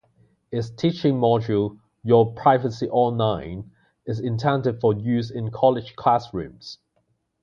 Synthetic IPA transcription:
ɪstʰiˑt͡ʃɪ̃ŋmɔd͡ʒəlˠ | jəpʰɹ̥aɪvəsiʔɔ̃nlãɪ̃n | ɪzɪ̃ntʰɛ̃ntɪd̥fəjʉːzɪ̃nkʰɒlɪd̥ʒ̥kʰl̥asɹʉ̰̃ːmz̥

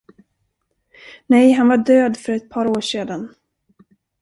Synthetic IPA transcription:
nɛjɦanvaɖøːd̪fœɾɛt̪̚pʰɑːɾoːʂeːd̪an

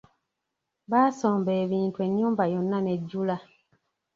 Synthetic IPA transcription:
basɔ̃bɛːβĩːntwɛnũbajɔ̃nːãnɛd͡ʒula

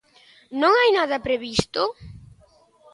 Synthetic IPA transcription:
nõŋajnaðɐpɾeβist̪ʊ

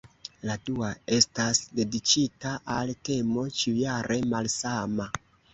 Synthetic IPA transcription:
laduae̞stasde̞dit͡ʃitaʔalte̞mo̞t͡ʃiujaɾʔe̞malsama

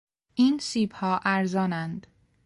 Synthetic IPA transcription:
ʔiːnsiːbhɒːʔæɾzɒːnænd̪

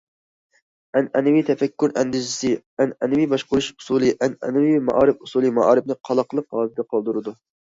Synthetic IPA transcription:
ɛnʔɛnɛwit̪ʰɛfɛkʲːuɾɛnd̪ɪzɪsɨ | ɛnɛnɪwijbɑʃqʊɾuʃu̥sulˠɨʔɛnɛ̰nɪwimɑ̰ʔɑːɾɪpusuːlˠɨmɑʔɑ̰ːɾɪb̚nɨqʰɑlˠɑqəlˠəqɦɑːlt̪ʰɪd̪ɛqʰɑlˠd̪uɾɨd̪u

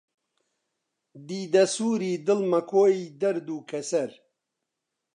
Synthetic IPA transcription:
d̪iːd̪ɐsuːɾiːd̪ɨlmɐkʰoːid̪ɐɾd̪uːkʰɐsɐɾ

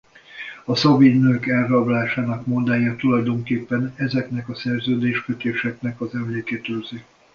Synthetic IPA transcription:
ɒsɒbinøːkɛlrɒblaːʃaːnɒkmod̪aːjat̪ulɒjd̪o̞ŋkeːpːɛnɛzɛknɛkɒsɛrzøːd̪eːʃkøt̪eːʃɛknɛkɒzɛmleːket̪ølzi

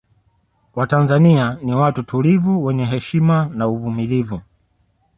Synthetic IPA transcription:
watanzanianiwatutʰulivuwɛɲɛɦɛʃimanauvumilivu

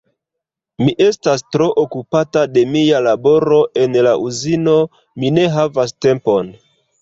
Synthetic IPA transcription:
miʔe̞stastɾo̞ʔokupatade̞mialabo̞ɾo̞ʔe̞nlaʔuzino̞ | mine̞ɦavaste̞mpo̞n

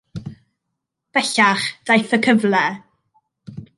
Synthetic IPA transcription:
b̥ɛɬaχd̥ajθəkʰəvlɛ

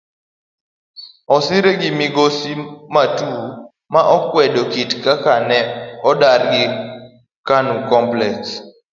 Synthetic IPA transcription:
ɔsɪɾeɡɪmɪɡosimatu | maʔɔkwɛdokitkakanɛɔdarɡɪ | kanukɔmplɛks

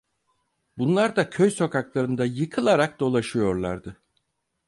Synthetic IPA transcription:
bunlˠaɾd̪acʰøjso̞kaklˠaɾɯnd̪ajɯkʰɯlˠaɾak̚d̪o̞lˠaʃɯjo̞ɾlˠa̰ɾd̪ɯ

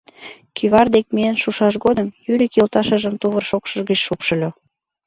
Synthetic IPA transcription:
kʰyβɑrd̪ek̚meənʃuʃɑʃɣod̪əmjyɾʲikelt̪ɑʃə̆ʒəmt̪uβərʃokʃə̆ʒɣət͡ɕʃupʃə̆lʲo

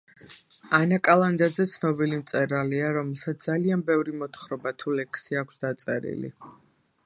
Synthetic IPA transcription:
anakʼalˠand̪ad̪zɛt̪sʰnɔbilimt̪sʼɛɾaliaɾɔmɛlˠsat̪s̚ʰd̪alianbɛvɾimɔt̪ʰχɾɔbat̪ʰulɛkʰsiakʷʰsd̪at̪sʼɛɾḭlḭ

